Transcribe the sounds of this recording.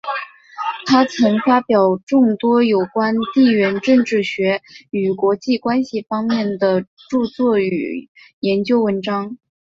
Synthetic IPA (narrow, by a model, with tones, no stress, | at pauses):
t̪ʰa˥t͡sʰɤ˧˥ŋfa˥pjɑ˨˩ʊʈ͡ʂʊ˥˩ŋt̪wɔ˥jo˨˩ʊkwa˥nt̪i˥˩ɥɛ˧˥nʈ͡ʂɤ˥˧ŋʈ͡ʂɻ̩˥˩ɕɥɛ˧˥y˨˩kwɔ˧˥t͡ɕi˥˩kwa˥nɕi˨˩fɑ˥ŋmjɛ˥˩nd̪ə˩ | ʈ͡ʂu˥˧t͡swɔ˥˩y̰˨˩jɛ˧˥nt͡ɕjo˥ʊwə˧˥nʈ͡ʂɑ˥ŋ